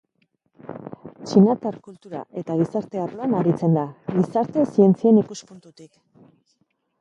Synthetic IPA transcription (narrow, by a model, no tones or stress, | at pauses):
t͡ʃinat̪aɾkult̪uɾa̰ʔe̞t̪aɣ̞isaɾt̪e̞aroanaɾit͡se̞nd̪aɣisaɾt̪e̞sie̞nt͡sie̞nikuspunt̪ut̪ik